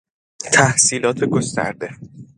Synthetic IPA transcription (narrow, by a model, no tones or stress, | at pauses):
t̪ʰæhsiːlɒːt̪ʰeɡost̪æ̰ɾd̪e̞